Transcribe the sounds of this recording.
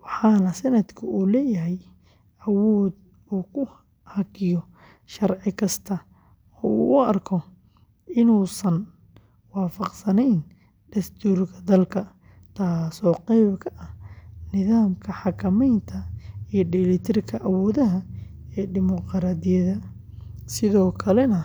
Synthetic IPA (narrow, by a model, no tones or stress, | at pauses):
wɑħɑːnɐsɐnɐd̪kʰʊuːlɛːjɐɦɛj | ɐwɔːd̪̚ | uːkʰʊ | hɑkʰɪjɔ | ʃɐrʕɪkʰɐst̪ʰɐ | ɔːṵːʔʊɐrkʰɔ | ʔɪnuːsɐn | wɑːfɑqsɐnɛjn | ɖɐst̪ʰuːrkʰɐd̪ɐlkʰɐ | t̪ʰaːsɔːqɛjbkʰɐʔɐhnɪðaːmkʰɐħɑkʰɐmɛjnt̪ʰɐijɔɖɪlɪt̪ʰɪrkʰɐʔɐwɔːðɐɦɐ | ɛːɖɪmɔqɾaːd̪ɪjɐðɐ | sɪðɔːkʰɐlɛnɐ